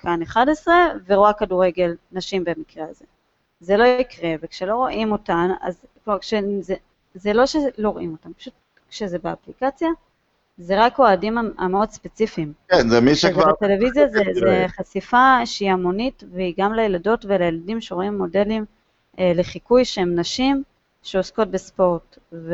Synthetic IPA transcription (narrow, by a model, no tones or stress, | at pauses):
kʰaneχadesʁe̞veʁoakaduʁe̞ɡe̞lnaʃimbemikʁeaze̞ | zelo̞ikʁe̞vekʃelo̞ʁoʔimo̞tana̰z | kkʃeze | zelo̞ʃelo̞ʁoʔimo̞tampḁʃut̚ | kʃezebeaplikat͡sja | zeʁakoadimaa̰meo̞dspet͡sifimkenzemiʃevatelevizjazezeχasifaʃeiamo̞nitveiɡamlejelado̞tve̞lajeladimʃeʁoimːo̞de̞lim | eleχikujʃeemnaʃim | ʃeosko̞t̚bespo̞ʁt | v